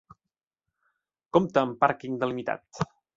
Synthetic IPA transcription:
komt̪əːmpaɾkiŋd̪əlimit̪a̰t̪

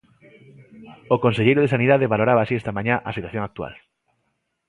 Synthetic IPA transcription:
okonseʎejɾoðesaniðaðeβaloɾaβaːsiest̪amãɲãʔɐsit̪waθjõŋak̚t̪ua̰l

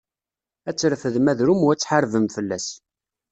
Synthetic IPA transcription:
æt͡sːɾfəðmæðɾumwæt͡sːħaɾvəmfəlːæs

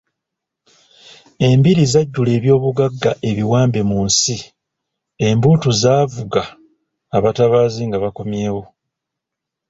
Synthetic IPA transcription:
e̞mbiɾizaɟːule̞ːβjo̞ːβuɡaɡːaʔe̞βiwaːmbe̞muːnsi | e̞mbuːtuzaːvuɡaː | βataβaːziŋɡaβako̞mje̞ːwo̞

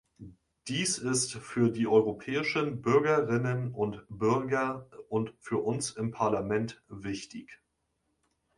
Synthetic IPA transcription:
d̥iːsɪstfyːɐdiːʔɔʏʁopʰɛːɪʃənbʏɐɡɐʁɪnənʊntb̥ʏɐɡɐʔʊntfyːɐʔʊnsɪmpʰaɐlamɛntv̥ɪçtɪç

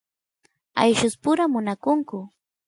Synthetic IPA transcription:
a̰jʃʊspʊɾamʊnakʊŋkʊ

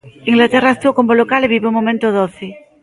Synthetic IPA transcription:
iŋɡlat̪eraest̪uokombolokaleβiβumːomẽnt̪oðoθi

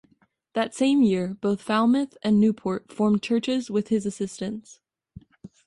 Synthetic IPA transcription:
ðɨtsẽɪ̃mjɪɹb̥oʊθfælˠmɨθɨ̃nːʉpʰɔɹtfɔɹmt͡ʃʰɜ˞t͡ʃɪzwɪð̥ɨzɨsɪstɨ̃nts

